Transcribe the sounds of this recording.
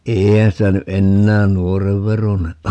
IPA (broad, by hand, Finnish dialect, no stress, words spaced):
eːihæn sitæ ny ʔenːæːn nuoreʋ ʋeroneʔ